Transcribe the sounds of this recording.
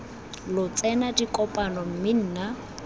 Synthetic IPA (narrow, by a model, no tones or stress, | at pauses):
lʊt͡sʼɛnadikʼɔpʼanɔm̩mɪn̩ːna